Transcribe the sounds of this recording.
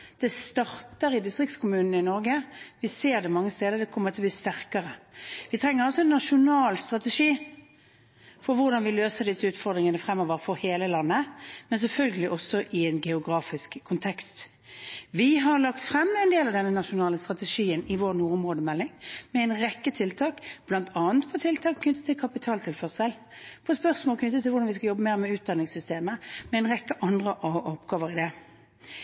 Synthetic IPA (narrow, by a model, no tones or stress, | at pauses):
d̪̥ɛst̪ɑʁt̪əɾɪd̪ɪst̪ʁɪkt̪skʰʊmʉːnn̩əɪnɔɾɡəʋɪseːɾd̪ɛmɑŋːəst̪eːd̪əɾd̪ɛkʰɔmːəɾt̪ʰɪlb̪iːst̪æʁkəɾəʋɪt̪ʰɾɛŋːəɾɔsɔɛnːɑʂʊnɑːlst̪ʁɑt̪ɛʂiː | fɔɾʋʊɾd̪ɑnʋɪløːsəd̪ɪsːəʉːt̪fɔɾd̪ʁɪŋənəfʁɛmːoːʋəɾfɔɾheːləlɑnːəmɛns̬ɛlfœlɡəlɪʔɔsːɔʔɪɛnɡɛʊɡɾɑːfɪskʰːʊnt̪ʰɛkst̪ | ʋɪɦɑʁlɑkt̪fɾɛmːɛɪnd̪eːlɑʋd̪ɛnːənɑʂʊnɑːləst̪ʁɑt̪ɛʂiːənɪʋoːʁnuːʁʊmʁoːd̪əmɛlːɪŋmɛɛɪnʁɛkːət̪ʰɪlt̪ʰɑːkb̥lɑnt̪ʰɑːənt̪pʰɔt̪ʰɪlt̪ʰɑːkʰːnʏt̪ːət̪ʰɪlkʰɑpɪt̪ʰɑːlt̪ʰɪlfœʁsɛl | pʰɔspœʁsmoːlkʰnʏt̪ːət̪ʰɪlʋʊʁd̪ɑnʋɪskɑjɔbːəmeːʁmɛʉːt̪̚d̪ɑnːɪŋsʏst̪eːməmɛɛnʁɛkːəʔɑnd̪ʁəʔʔɔpːɡ̥ɑːʋəɾɪd̪ɛ